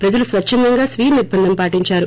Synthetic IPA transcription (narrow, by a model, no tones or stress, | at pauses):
pɾɐd͡ʒɐlusʋɐt͡ʃʰːɐnd̪ɐŋɡaːsʋiːniɾbɐnd̪ɐmpaːʈiɲt͡ʃaːɾu